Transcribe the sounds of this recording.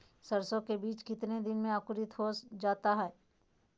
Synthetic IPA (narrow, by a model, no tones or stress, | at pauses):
sɐɾsõkebiːt͡ʃkɪt̪ned̪ɪnmẽakʊɾɪt̪ɦoːsd͡ʒaːt̪aɦɛː